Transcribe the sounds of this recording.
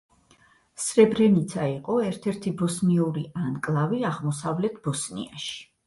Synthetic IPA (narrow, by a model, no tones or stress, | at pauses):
sɾɛbɾɛnit̪sʰaiqʼɔɛɾt̪ʰɛɾt̪ʰibɔsniuɾiʔankʼlˠaviaʁmɔsavlɛt̪ʰb̥ɔsnḭa̰ʃi̥